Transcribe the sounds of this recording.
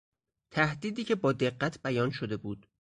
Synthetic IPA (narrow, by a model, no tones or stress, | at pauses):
t̪ʰæhd̪iːd̪iːcʰe̞bɒːd̪e̞ɢːæt̪ʰbæjɒːnʃod̪e̞buːd̪̥